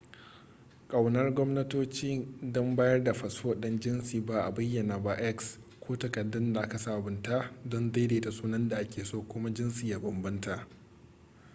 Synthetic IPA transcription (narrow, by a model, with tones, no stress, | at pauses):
kʼɐ˨wnɐ˦rɡʷɔ˦mnɐ˦toː˦t͡ʃiː˦ndɔ˦mbaː˦jɐ˦rda˨ɸɐ˨swo˨ɗɪ˦nd͡ʒɪ˦nsiː˨ba˦ʔa˨bɐ˦jːɐ˨naː˨ba˦ʔɛ˦ks | kʷʰoː˦tɐ˨kɐ˨dːɪ˦nda˨ʔa˦ka˨sa˦ʔbʊ˨˦nta˦dɔ˦nda˦jdeː˨ta˨sʼuː˦nɐ˦nda˨ʔa˦kʲeː˨soː˦˨kʷʊ˦ma˦d͡ʒɪ˦nsiː˨jaː˦bɐ˨mbɐ˦nta˨ʔ